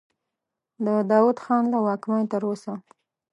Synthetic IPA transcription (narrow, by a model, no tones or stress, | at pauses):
d̪əd̪ɑwud̪xɑnlawɑkmɑjt̪əɾosa